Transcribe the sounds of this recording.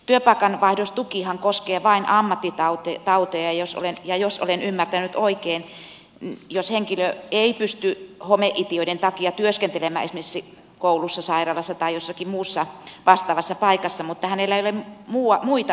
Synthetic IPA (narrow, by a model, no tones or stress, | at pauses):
t̪yøpɑˑikɑnʋɑihdost̪ukihɑŋkoskeːʋɑinʔɑmːɑt̪ːit̪ɑut̪ot̪ɑut̪ojɑjoso̰lenjɑjoso̰lenymːært̪ænyt̪oikeːn | nijosheŋkiløeipyst̪yhomeʔit̪ioident̪ɑkiɑt̪yøskent̪elemæ̰esmesːi | koulusːɑsɑirɑːlɑsːɑt̪ɑijosːɑkimmuːsːɑʋɑst̪ɑːʋɑsːɑpɑikɑsːɑmut̪ːɑhænelːæeiolemmuːɑmuit̪ɑ